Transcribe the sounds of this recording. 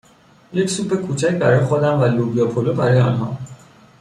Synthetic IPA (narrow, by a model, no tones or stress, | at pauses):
je̞cʰsuːpːe̞kʰuːt͡ʃʰæcʰbæɾɒːjexod̪æmvælubijɒpʰolobæɾɒjeɒːnɦɒ̰ː